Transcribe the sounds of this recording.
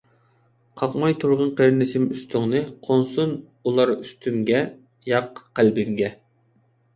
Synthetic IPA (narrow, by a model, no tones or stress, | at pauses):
qʰɑqmɑjt̪ʰuɾʁənqeɾnɪsɪmyst̪ʰʊŋnɨqʰonsun | ulˠɑɾyst̪ʰymɡʲɛ | jɑqqːælbɪŋɡʲɛ